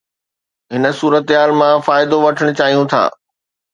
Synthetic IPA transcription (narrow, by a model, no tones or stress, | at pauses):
ɦɪnə̆suːɾət̪ɦaːlmãfaːɪd̪oʋɐʈʰəɽ̃ʊt͡ɕaːɦijũt̪ʰa̰ː